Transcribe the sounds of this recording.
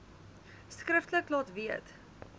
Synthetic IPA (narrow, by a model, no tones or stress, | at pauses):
skɾəftləklɑtviət